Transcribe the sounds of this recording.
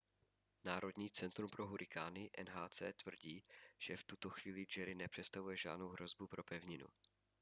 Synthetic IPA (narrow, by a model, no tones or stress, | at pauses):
naːɾʔo̞dɲiːt͡sɛnt̪ɾumpɾoɦuɾʔɪkaːnɪʔɛnɦaːt͡sɛ̰ːt̪vr̩ɟiːʒ̥ɛft̪ut̪o̞xv̥iːlɪd͡ʒɛɾɪnɛpr̝̥ɛt̪st̪avujɛʒa̰ːdnowɦɾo̞zbupɾʔo̞pɛvɲɪnṵ